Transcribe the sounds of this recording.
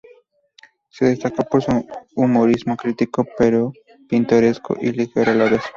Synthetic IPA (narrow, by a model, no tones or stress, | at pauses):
se̞ðe̞st̪ako̞poɾsuumoɾizmokɾit̪ikope̞ɾo | pint̪o̞ɾe̞sko̰ʔilixeɾalaβes